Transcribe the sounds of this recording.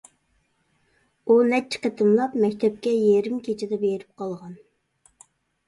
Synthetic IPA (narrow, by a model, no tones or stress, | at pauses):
unɛt͡ʃʰːɪ̥qət̪ʰɨmlˠɑpmɛkʲt̪ʰɛp̚kʲɛjeɾɪmkʲʰet͡ʃʰɪd̪ɛbeɾɪp̚qʰɑlˠʁɑn